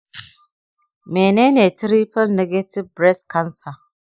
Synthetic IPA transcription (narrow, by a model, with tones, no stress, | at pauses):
me˨ne˦ne˨tɾi˦pɐ˦lne˦ɡe˦ti˦bbɾɛ˦skɐ˦nsa˨